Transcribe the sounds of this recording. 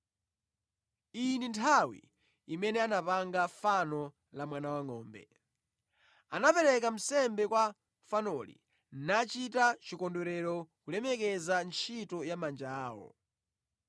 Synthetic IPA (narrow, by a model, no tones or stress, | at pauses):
inintʰawḭ | imɛnɛanapaŋɡafanɔ | lamwanawaŋɔːmbɛ̰ | anapɛɾɛk̬am̩sɛmbɛkwa | fanɔlḭ | nat͡ʃitat͡ʃikɔndɔɾɛɾɔkulɛmɛkɛzant͡ʃʰitɔjamand͡ʒaːwɔ̰